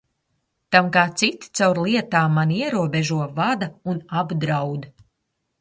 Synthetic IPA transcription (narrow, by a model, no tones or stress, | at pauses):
t̪amkaːt̪sit̪t̪sawɾlˠiɛt̪aːmaniɛɾuɔbeʒuɔvad̪aunabd̪ɾawd̪